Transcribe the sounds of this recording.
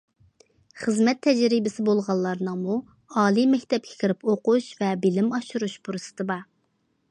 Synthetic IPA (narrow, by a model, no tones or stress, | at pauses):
χəzmɛt̪ʰːɛd͡ʒɾibɪsɪbolˠʁɑlˠːɑɾnɨŋmu | ɑːlˠimɛkʲt̪ɛp̚kʲʰɪ̥kʲʰɪɾɪpoquʃvɛbɪlɪmɑʃuɾuʃbuɾɨsɨ̥t̪ʰɨbɑ